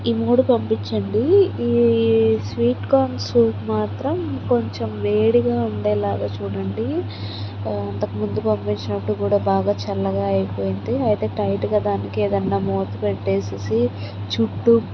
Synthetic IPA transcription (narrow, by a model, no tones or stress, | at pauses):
iːmuːɽupɐmpiɲt͡ʃɐɳɖiiːsʋiːʈkaːnsuːʈmaːt̪ɾɐmko̞ɲt͡ʃemʋeːɽiɡaːuɳɖe̞ːlaːɡaːt͡ʃuːɽɐɳɖi | ɐnt̪ɐkumund̪upɐmpiɲt͡ʃinɐpːuɽukuːɽaːbaːɡaːt͡ʃɛlːɐɡaːɐjipoːjind̪iɐjit̪e̞ːʈɐjʈɡaːd̪aːnikieːd̪ɐnːaːmoːt̪upeʈːeːsisi | t͡ʃuʈːu